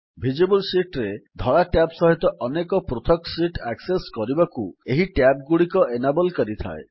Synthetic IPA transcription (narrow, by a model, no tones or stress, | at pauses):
bʱid͡ʒebɔlsiʈɾed̪ʱɔɭaʈapsɔɦit̪ɔʔɔnekɔpɾot̪ʰɔksiʈakseskɔɾibakueɦiʈap̚ɡuɽikɔʔenabɔlkɔɾit̪ʰa̰e